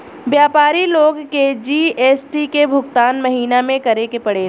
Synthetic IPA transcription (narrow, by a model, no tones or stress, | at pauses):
ʋjaːpaːɾiloːɡked͡ʒiːeːsʈikebʱʊɡt̪aːnmɐɦiːnamẽkɐɾekepɐɽeː